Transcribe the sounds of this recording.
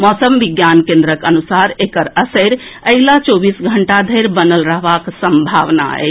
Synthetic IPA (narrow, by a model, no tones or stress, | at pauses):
mɔːsəmʋiɡjankẽnd̪ɾəkənusaɾekəɾəsəɾəɪlat͡ʃobisɡʱəɳʈad̪ʱəɪɾbənəlɾəɦbaksəmbʱaʋna̰ɛ̰